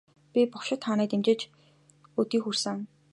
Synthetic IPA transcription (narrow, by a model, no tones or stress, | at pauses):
pʲipʊkʃɪ̆t̪χanæːt̪emt͡ɕĕt͡ɕ | ɵt̪iːxursɘ̆ŋ